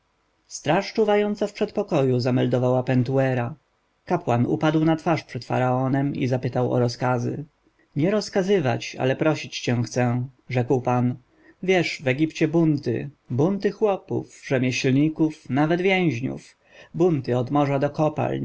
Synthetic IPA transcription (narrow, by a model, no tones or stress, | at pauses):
st̪ɾaʂt͡ʂuvajɔnt̪safpʂɛt̪pɔkɔjuzamɛld̪ɔvawapɛnt̪uɛɾa | kapwanṵpad̪wnat̪faʂpʂɛt̪fa̰ɾaɔnɛmḭzapɘt̪awɔ̰ɾɔskazɘ̰ | ɲɛɾɔskazɘva̰t͡ɕa̰lɛpɾɔɕit͡ɕt͡ɕɛ̃xt̪sɛ̃ʐɛkwpan | vʲjɛʂvɛɡʲipt͡ɕɛbunt̪ɘ̰ | bunt̪ɘxwɔpṵfʐɛmʲjɛɕlɲikufnavɛd̪vʲjɛ̃w̃ʑɲṵf | bunt̪ɘɔd̪mɔʐad̪ɔkɔpa̰l